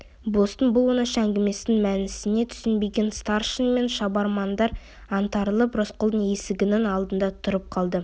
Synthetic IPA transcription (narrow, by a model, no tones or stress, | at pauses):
bost̪ənbʊlˠwonəʃɑæŋɡʲɪme̞sɪɪŋmænɪsɪne̞t̪ʰʏ̥sɪnbe̞ɡʲe̞nst̪ɑrʃənme̞nʃɑbɑɾmɑnd̪ɑɾ | ɑnt̪ɑɾəlˠəpɾosqʰolˠd̪əɴe̞sɪɡʲɪnɪŋɑlˠd̪ənd̪ɑt̪ʰʊɾəp̚qʰɑlˠd̪ə